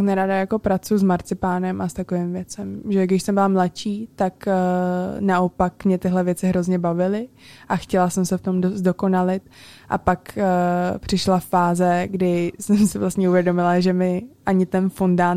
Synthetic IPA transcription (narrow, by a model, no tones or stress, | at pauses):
knɛɾadajako̞pɾat͡sujuzmaɾt͡sɪpaːnɛmʔast̪ako̞vɪmvjɛt͡sɛmʒɛɡdɪʃsɛmbɪlamlat͡ʃiːt̪ak | naʔo̞pakmɲɛt̪ɪɦlɛvjɛt͡sɪɦɾo̞zɲɛbavɪlɪʔaxcɛlasɛmsɛft̪o̞mdostdo̞ko̞nalɪt̪ʔa̰pakː | pr̥ɪʃlaffaːzɛɡdɪsɛmsɪvlast̪ɲɛuvjɛdo̞mɪlaʒɛmɪʔaɲɪt̪ɛnfundaː